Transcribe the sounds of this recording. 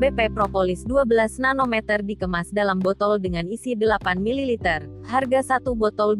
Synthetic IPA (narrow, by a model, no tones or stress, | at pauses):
bepɛpɾɔpolisduabəlasnanomɛt̪ərdikəmasdalambɔt̪ɔldəŋanisidəlapanmililit̪ɛr | harɡasat̪ubɔt̪ɔl